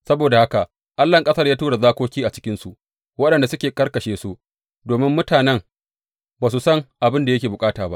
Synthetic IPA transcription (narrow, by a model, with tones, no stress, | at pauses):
sɐ˦boː˨da˨ha˦ka˨ | ʔa˦lːɐ˨ŋkʼɐ˦sɐ˦rjaː˦tuː˦ɽa˨zaː˦kʷoː˦kʲiː˦ʔa˨t͡ʃɪ̥˦kʲɪ˦nsu˨ʔ | wɐ˦ɗɐ˨nda˨sʊ˦kʲeː˨kɐ˦rkɐ˨ʃeː˦su˦ | doː˨mɪ˦mːʊ˦taː˨nɛ˦ŋ | baː˨s̬u˨sɐ˦ŋʔa˨bɪ˦nda˨jɐ˦kʲeː˨bʊ˨kʼaː˦taː˨ba̰˦ʔ